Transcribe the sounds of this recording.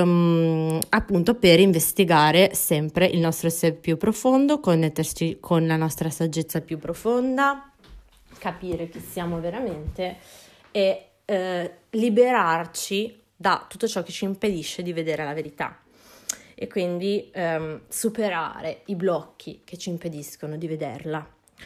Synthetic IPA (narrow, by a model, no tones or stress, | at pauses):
apːunt̪operiɱvest̪iɡaːɾesɛmpɾeʔilnɔst̪ɾosɛppːjupːɾofond̪okonːɛt̪ːert͡ʃikʰonlanɔst̪ɾasad͡ʒːet̪sːapjupːɾofond̪a | kapiːɾek̟esjaːmoveɾament̪e | e | libeɾart͡ʃi | d̪at̪ːut̪ːot͡ʃɔk̟ːet͡ʃiːmped̪iʃːed̪ived̪eːɾelaveɾit̪a̰ | ekːwind̪i | supeɾa̰ːɾeiblɔkʰːik̟et͡ʃːiːmped̪iskonod̪ived̪ḛrla